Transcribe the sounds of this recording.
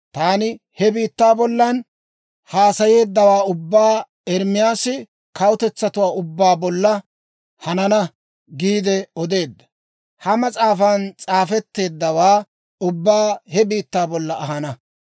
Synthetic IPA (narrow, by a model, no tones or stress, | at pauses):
t̪aːnɪ | hɛbiːt̪ːaːbɔlːɐn | haːsɐje̞ːd̪ːɐwaːʊbːaː | ɛɾmɪjaːsɪ | kɐwʊt̪ɛt͡sːɐt̪ʊwaːʊbːaːbɔlːɐ | hɐnɐnɐ | ɡiːd̪ɛɔd̪e̞ːd̪ːɐ̥ | hɐmɐt͡sʼaːfant͡sʼaːfɛt̪ːe̞ːd̪ːɐwaː | ʊbːaːhɛbiːt̪ːaːbɔlːɐʔɐɦɐnɐ